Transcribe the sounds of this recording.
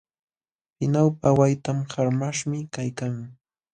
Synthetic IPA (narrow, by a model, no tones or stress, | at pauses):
pɪnawpawajt̪amhaɾmaʃmɪkajkaŋ